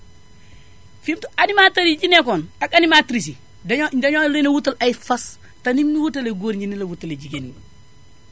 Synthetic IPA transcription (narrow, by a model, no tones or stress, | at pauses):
fimtuanimatɐɾiɟinekonakanimatɾis̬i | dɐɲolenɐwutɐlɐjifɐs | tɐnimniwutɐleɡoːɾɲinilɐwutːɐleɟiɡeni